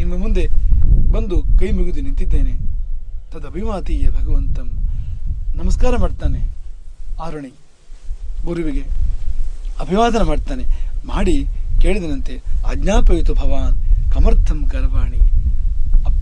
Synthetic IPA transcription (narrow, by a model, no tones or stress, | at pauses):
inːɐmund̪ebɐnd̪ukɐjmuɡud̪inint̪id̪ːeːnet̪ɐd̪ɐbʱiʋaːd̪iːjɐbʱɐɡɐʋɐnt̪ɐm | nɐmɐskaːɾɐmaːɖt̪aːne | aːɾɐɳi | uːɾiʋiɡe | ɐbʱiʋaːd̪ɐnɐmaːɖt̪aːnemaːɽikeːɭid̪ɐnɐnt̪ea̰ːɡnaːpɐjt̪ubʱɐʋaːnkɐmɐɾt̪ʰɐmkɐɾɐʋaːɳi | ɐ